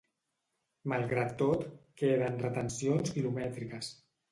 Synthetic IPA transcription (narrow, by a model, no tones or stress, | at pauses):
malˠɣɾat̪ːot̪keðənrət̪ənsionskilumɛt̪ɾikəs